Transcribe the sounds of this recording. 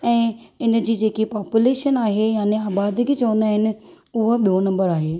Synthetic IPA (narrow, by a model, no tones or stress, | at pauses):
ɛ̃ːɪnə̆d͡ʑiːd͡ʑeːkipaːpjuleːʃənaːɦejaːneaːbaːd̪ɪkit͡ɕɐʋə̃nd̪aːɦɪnɪ̆ | ʊɦ̆ɓionɐ̃mbəɾaːɦeː